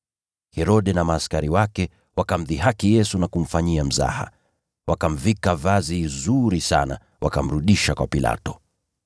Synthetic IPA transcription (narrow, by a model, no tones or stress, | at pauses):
hɛɾɔɗɛnamaːskaɾiwakɛ | wakam̩ðiɦakijɛsunakum̩faɲiam̩za̰ha̰ | wʔakam̩vikavazizuɾisa̰na̰ | wa̰kam̩ɾuɗiʃakwapila̰tɔ̥